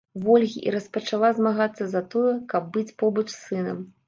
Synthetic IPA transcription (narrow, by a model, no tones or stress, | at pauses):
vɔlʲɣʲiʔḭɾɐspɐt͡ʂalˠazmaɣat̪sːɐzɐt̪ɔjɛkɐb̚ːɨt͡sʲpɔbɐt͡ʂsɨnɐ̰m